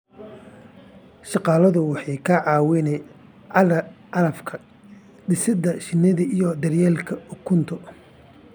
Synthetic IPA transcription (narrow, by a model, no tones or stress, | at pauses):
ʃɑqɑːlɐðʊwɑħɑjkʰɐʕɑːwɪnɛ | ʕɑɾɐ | ɑlɐfkʰɐ | ɖɪsɪd̪ɐʃɪnːɪðɐʔijɔd̪ɐrjɛːlkʰɐʊkʰʊnt̪ʰɔ